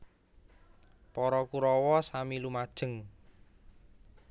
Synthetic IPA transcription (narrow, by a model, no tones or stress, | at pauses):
pɔɾɔkuɾɔwɔsamilumad̥ʒ̥ə̤ŋ